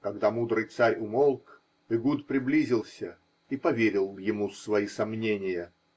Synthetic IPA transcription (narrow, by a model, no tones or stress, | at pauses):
kɐɡd̪amud̪ɾɨjt̪saɾʲʊmolˠk | ɨɡut̪pɾʲɪblʲizʲɪlˠsʲə | ipɐvʲeɾʲɪlˠjɪmusvɐisɐmnʲenʲɪjə